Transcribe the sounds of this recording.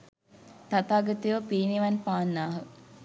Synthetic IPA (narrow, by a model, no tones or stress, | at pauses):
t̪at̪aːɡət̪iʋəpiːniʋɐnpaːnːaːɦə